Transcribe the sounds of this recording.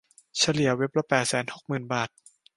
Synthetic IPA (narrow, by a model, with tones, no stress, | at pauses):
t͡ɕʰa˧li˨˩˦ɐwe˦˥p̚la˧pɛː˨˩t̪̚sɛː˩˦nho˨˩k̚mɯː˨˩nbaː˨˩t̪̚